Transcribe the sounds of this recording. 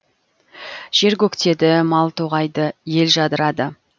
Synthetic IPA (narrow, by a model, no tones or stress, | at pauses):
ʒ̥e̞ɾɡʲɵkt̪e̞d̪ɪmɑlˠt̪ʰuʁɑjd̪əje̞lʒɑd̪əɾɑd̪ə